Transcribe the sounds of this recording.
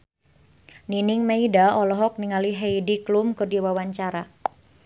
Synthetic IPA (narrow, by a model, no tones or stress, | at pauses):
ninɪŋmeidaɔlɔɦɔk̚niŋaliɦeidiklʊmkɨrdiwawaɲt͡ʃaɾa